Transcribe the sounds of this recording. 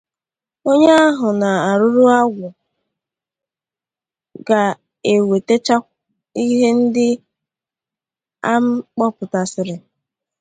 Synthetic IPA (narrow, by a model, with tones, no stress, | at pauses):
o˦ɲe˦a˦ɦʊ˨na˨a˨ɾʊ˦ɾu˦a˦ɡʷʊ˨ | ɡa˨ | e˨we˨te˦t͡ʃa˦kʷ | i˦ɦe˦n̩˦dɪ˦ | a˦m̩˦k͡pɔ˦pʊ˨ta˨sɪ˦ɾɪ˨